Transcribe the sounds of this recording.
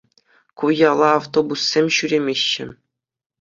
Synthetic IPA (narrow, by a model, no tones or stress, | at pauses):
kujɑlˠɑːft̪obusːʲemʲɕyɾʲemʲeɕːɘ̆